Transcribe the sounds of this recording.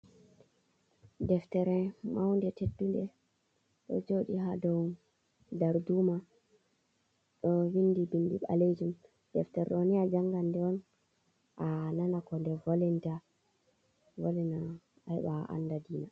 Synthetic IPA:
dɛftɛɾɛmawndɛtedːundɛ | ɗɔ̰d͡ʒoɗiɦadɔw | daɾduma | ɗɔwinːdibinːdiɓa̰led͡ʒum | dɛftɛɾɛoniad͡ʒaŋɡandɛɔn | ʔananakɔndɛvolinta | volina | ajɛɓaʔa̰nːdadiːna

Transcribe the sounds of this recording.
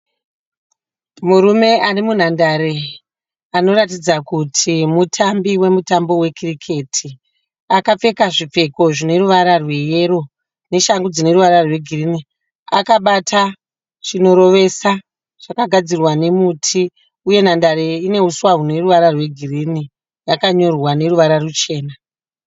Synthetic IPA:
muɾume̞ʔarimun̤andaɾe̞ | ano̞ɾatid͡zakutʰimutʰambiwe̞mutambo̞we̞kirikʰe̞ːtʰi | akap͡fe̞kaʐip͡fe̞ko̞ʐine̞ɾuʋaɾarwe̞jeɾo̞ | ne̞ʃaŋɡud͡zine̞ɾuʋaɾarwe̞ɡʱirini | akaɓatʰa | t͡ʃino̞ɾo̞ʋe̞sa | ʐ̥akaɡʱad͡zirwane̞mutʰi | uje̞nandaɾeine̞uswaɦune̞ruʋaɾarwe̞ɡʱirini | jakaɲo̞rwane̞ɾuʋaɾarut͡ʃe̞ːna

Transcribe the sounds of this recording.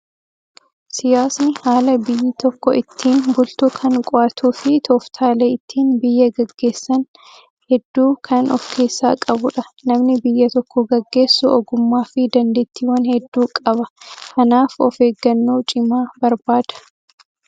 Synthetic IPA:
sɪjaːsnɪhaːlɐbɪjːɪt̪ɔkːɔʔɪt̪ʰːiːnbʊlt̪ukʰɐnkʼɔʔɐt̪ʰuːfɪt̪ʰɔːft̪ʰaːleːɪt̪ʰːiːnbɪjːɐɡɐɡːe̞ːsːɐn | hɛd̪ːuːkʰɐnʔɔfkʰe̞ːsːaːkʼɐbʊᶑɐnɐmnɪbɪjːɐt̪ɔkʰːɔɡɐɡːe̞ːsːʊɔɡʊmːaːfɪd̪ɐnd̪eːt̪ːiːwɐnhɛd̪ːuːkʼɐbɐkʰɐnaːfɔ̰feːɡːɐnːoːt͡ʃʼɪmaːbɐɾbaːd̪̥ɐ̥

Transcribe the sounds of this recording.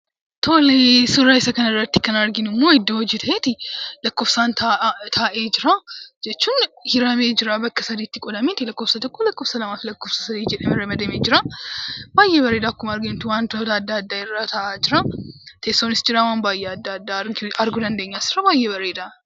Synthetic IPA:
t̪ʰo̞ːlesʊraɪsɐkɐnɐɪrːɐt̪ːɪkɐnɐɾɡɪnɪmːo̞ːɪd̪ːoɔd͡ʒiːt̪ʰɐʔeːt̪ɪlɐkːoːfsaːnt̪ʰat̪ʰaːʔe̞ːd͡ʒɪɾad͡ʒɛt͡ʃːuːnhɪɾɐme̞ːd͡ʒɪɾabɐkːɐsɐd̪iːt̪ːɪkʼɔd̪ɐmeːt̪ɪlɐkːofsɐt̪ɔkʼːolɐkːoːfsɐlɐmaːflɐkːoːfsɐ̥sɐd̪iːd͡ʒɛᶑɐmɪɾɐmɐd̪ɐmeːd͡ʒɪɾa | baːjːʔebɐɾe̞ːd̪aːkːʊmɐɐɾɡɪnt̪ːɪwaːnt̪oːt̪ɐːd̪ːaɐd̪ːaːɪrːaːt̪ʰɐʔaːd͡ʒɪɾat̪ʰest̪ːonɪsd͡ʒɪɾawaːnbaːjːeɐd̪ːad̪ːaːɾɡɐɾɡʊd̪ɐnd̪e̞ːɲːaːsɪ̥ɾɐbaːjːebɐɾeːd̪aː

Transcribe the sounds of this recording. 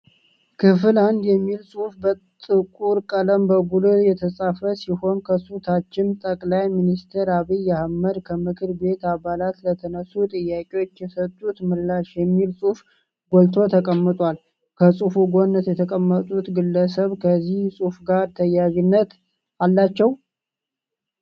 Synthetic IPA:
kʰɨfɨland̪jɛmːilsʼufbət̪ʼɨkʼuɾkʼələmbəɡulujɛt̪ʰəsʼafəsiho̞nkʰəsut̪ʰat͡ʃːɪnt̪ʼəkʼlajminist̪ʰəɾaβijahməɾkʰəmɨkʰɨɾbe̞t̪aβalat̪lət̪ʰənəsut̪ʼɨjːakʼewo̞t͡ʃːjɛsət̪ʼːut̪mɨlːaʃjɛmːilsʼuf | ɡolt̪ʰo̞t̪ʰəkʼəmːɨt̪ʼwal | kʰəsʼufuɡonːət̪jɛt̪ʰəkʼəmːət̪ʼut̪ɡɨlːəsəβkʰəzːihsʼufɡaɾt̪ʰəjːaɡinːət̪ | ʔalːat͡ʃːɛw

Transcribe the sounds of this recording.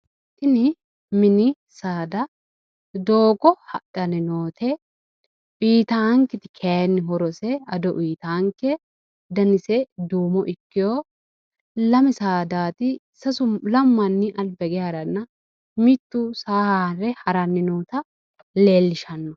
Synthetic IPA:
tɪnɪ | mɪnɪ | saːd̪ɐ | d̪o̞ːɡɔhɐ̰ɗɐnɪnoːt̪ʰɛ | ʔiːt̪ɐŋkːɪt̪ɪ̥kʰenːɪɦɔɾɔsɛɐd̪ɔʔiːt̪ɐŋkːɛ | d̪ɐnɪsɛd̪uːmɔʔɪkːɪjoː | lɐmɪsaːd̪aːt̪ɪ | sɐsʊmlɐmːɐnːɪʔɐlbɛɡɛaɾɐnːɐ | mɪt̪ːusaːhaɾɛhɐɾɐnːɪnoːt̪ɐ | le̞ːlːɪʃɐnːɔ

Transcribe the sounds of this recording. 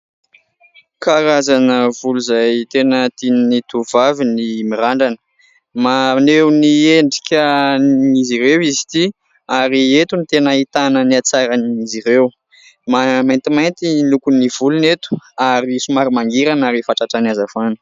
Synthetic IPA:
kaɾazanəvuluzajt̪enət̪innit̪uvavinimiɾaɳɖ͡ʐanə̥ | manewnieɳɖ͡ʐikʲə | iziɾewizi̥t̪i | aɾiet̪unit̪enəit̪anəniat͡saɾaniziɾew | mamajnt̪imajnt̪ilukunivulunet̪u̥aɾisumaɾimaŋɡiɾanaɾifaʈ͡ʂaʈ͡ʂanazafanə̥

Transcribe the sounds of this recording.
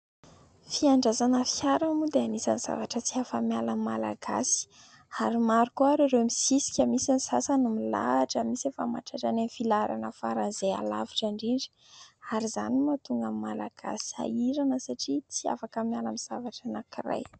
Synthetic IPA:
fiaɳɖ͡ʐazanəfiaɾamud̪eanisaniz̥a̰vaʈ͡ʂət͡siafamjalammːala̰ɡa̰si̥ | aɾimaɾukuaɾeɾewmisisi̥kʲəmisanisasanumila̰ʈ͡ʂəmisefama̰ʈ͡ʂaʈ͡ʂananfilaɾa̰nəfa̰ɾanzea̰la̰viʈ͡ʂaɳɖ͡ʐiɳɖ͡ʐi̥ | aɾiza̰nimat̪uŋɡamimːalaɡ̥a̰si̥a̰iɾanəsaʈ͡ʂit͡sia̰fakəmalamiz̥avaʈ͡ʂanakira̰j

